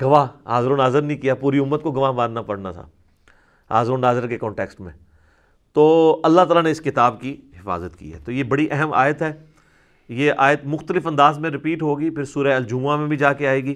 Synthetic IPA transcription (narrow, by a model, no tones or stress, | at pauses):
ɡɐʋaːɦɦaːzɾonaːzəɾnĩkijapuːɾiʊmːət̪̚koɡɐʋaːbãːnnapɐɽna̰t̪ʰa̰ | ɦa̰ːzɾuːnːaːzəɾkekɔ̃ːɳʈeːksʈmḛ̃ | t̪oːɐlːat̪aːlaneɪskɪt̪aːbkiɦɪfa̰ːzət̪kḭːɦɛ̰ːt̪oːjebɐɽiʔɛɦəma̰ːjət̪ɦɛː | jeʔaːjət̪mʊxt̪əlɪfɐ̃nd̪aːzmẽɾɪpiːʈɦoːɡipʰɪɾsuːɾəeɐld͡ʒuːmamẽbʱid͡ʒaːkeaːeːɡiː